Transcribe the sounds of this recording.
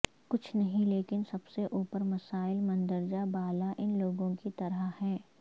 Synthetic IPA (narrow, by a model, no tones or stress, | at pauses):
kʊt͡ʃʰnɐɦĩleːkɪnsɐbseʔuːpəɾmɐsaːɪlmɐ̃nd̪əɾd͡ʒabaːlaʔɪnloːɡõkit̪ɐɾəhɛː